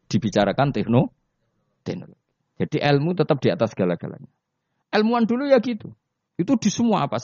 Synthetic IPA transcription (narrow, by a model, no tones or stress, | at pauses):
d̥ibit͡ʃaɾakant̪ɛhno | t̪ɛhno̰loɡ̥i̥ | d͡ʒad̥iʔɛlmut̪ət̪əp̚d̥iat̪asɡ̥alaɡ̥a̰la̰ɲa | ʔɛlmuandulujaɡit̪u | it̪ud̥isəmuaːpas